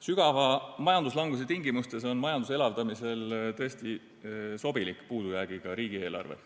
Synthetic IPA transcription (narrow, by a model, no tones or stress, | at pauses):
syɡ̥ɑvɑmɑjɑnd̪uslɑŋɡus̬et̪iŋɡimust̪e̞so̞nmɑjɑnd̪use̞lɑvd̪ɑmise̞lt̪ɤest̪i | so̞bilikːˑpuːd̪̥ujæːɡ̥iɡ̥ɑɾiːɡ̥ie̞ːlɑ̰rvḛ